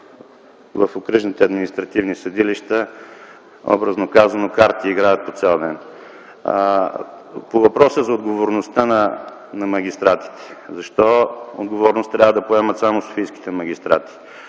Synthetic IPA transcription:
və̰fokɾəʒnit̪ɛɐd̪minist̪ɾɐt̪ivnisɐd̪iliʃt̪ə | ɔ̰bɾəznokazɐnokaɾt̪iːɡɾajət̪̚pot̪sɛlˠd̪ɛn̰ | povɐpɾɔsəzɐod̪ɡovoɾnost̪ənɐ | nɐmɐɡ̟ʲist̪ɾat̪i̥t̪ɛ̥zɐʃt̪ɔo̰d̪ɡovɔɾnost̪ːɾʲavəd̪ɐpoɛmət̪samoso̥fijski̥t̪ɛmɐɡʲist̪ɾa̰t̪i̥

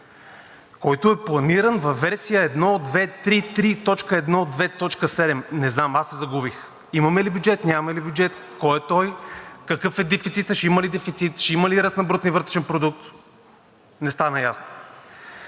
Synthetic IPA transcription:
kɔjt̪oɛplˠɐniɾənvɐfːɛɾsijəɛd̪nod̪vɛt̪ɾit̪ɾit̪ɔt͡ʃkəɛd̪nod̪vɛt̪ɔt͡ʃkəsɛd̪ɛmnɛznamasːɛzɐɡubix | imɐmɛlibjud͡ʒɛt̪nʲamɐlibʲjud͡ʒɛt̪kɔɛt̪ɔjkɐkɤfɛd̪ɛfit̪sit̪əʃɛiməlid̪ɛfit̪sit̪ʃɛiməliɾəsnɐbɾut̪nʲivɤɾt̪ɾɛʃɛnpɾod̪uk̚t̪ | nɛst̪anɐjasno̥

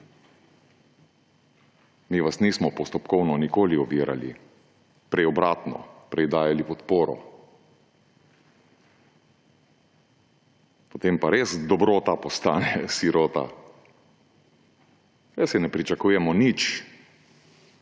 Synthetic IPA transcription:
miːʋasniːsmɔpɔst̪ɔpkɔwnɔnikoːliɔʋiɾa̰lḭ | pɾɛjɔbɾaːt̪nɔ̰pɾɛjd̪aːjalipɔt̪poːɾɔ̰ | pot̪empaɾesd̪ɔbɾot̪apɔst̪aːnɛsiɾoːt̪a̰ | jɛsɛnɛpɾit͡ʃakuːjɛmɔnit͡ʃ

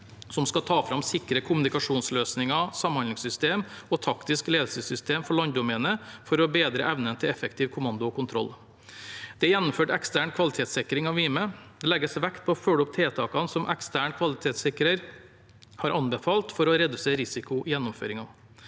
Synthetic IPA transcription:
sɔmskɑt̪ʰɑːfɾɑmsɪkɾəkʰʊmʉnɪkɑʂuːnsløːsnɪŋɑsɑmhɑnd̪ɪŋsʏst̪eːmɔt̪ʰɑkt̪ɪskleːd̪lsəsʏst̪ʰeːmfɔɭɑnd̪ʊmɛnəfɔɾɔbeːd̪ɾəʔɛʋnənt̪ʰɪlɛfəkt̪iːʋkʰʊmɑnd̪ʊɔkʊnt̪ʰɾɔ̰lː | d̪̥ɛjɛnːʊmføːʈɛkst̪æɳkʰʋɑlɪt̪ʰeːt̪sɪkɾɪŋɑʋʋiːməd̪ɛlɛɡəsʋækt̪̚pʰɔɔfœlɔp̚t̪ʰeːt̪ʰɑːkɑnsɔmʔɛ̰kst̪æːɳkʰʋɑlɪt̪ʰeːt̪sɪkɾəɾ | hɑɾʔɑnbɛfɑːlt̪fɔɾɔɾɛd̪ʉseːɾɪsɪkʊjɛnːʊmfø̰ːɾɪŋɑ

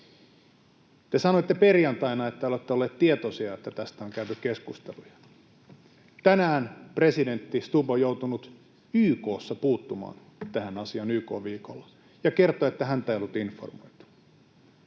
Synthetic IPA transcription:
t̪e̞sɑnoet̪ːeperjɑnt̪ɑinɑet̪ːæolet̪ːeolːeːt̪t̪iet̪osiɑet̪ːæt̪æst̪æoŋkæyt̪ykkeskust̪ḛlujɑ̥ | t̪ænæːnpre̞side̞nt̪ːist̪upojout̪unut̪ | yːko̞ːsːɑpuːt̪ːumɑ̰ːn | t̪æhænɑsiɑnyːko̞ːʋʋiːkolːɑ | jɑke̞rt̪oet̪ːæɦænt̪æeijolːut̪info̰rmo̞̰jt̪u̥

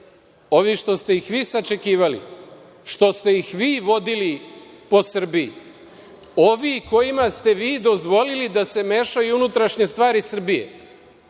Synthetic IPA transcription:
o̞ʋiʃt̪o̞st̪e̞ixʋiːsat͡ʃe̞kiːʋalḭ | ʃt̪o̞st̪e̞jixʋiːʋo̞d̪ili | po̞sr̩bi | o̞ʋiko̞jimast̪e̞ʋiːd̪o̞zʋo̞lilid̪ase̞me̞ʃajuunut̪ɾaʃɲe̞st̪ʋaːɾisr̩bije̞̰

